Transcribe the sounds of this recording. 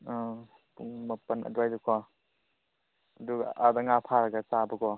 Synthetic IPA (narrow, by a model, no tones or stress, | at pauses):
puŋmɐpɐnʔɐ̰duajdukʰɔ | ɐduɡaːdɐŋapʰaɾɐɡɐt͡ʃabɐɡɔ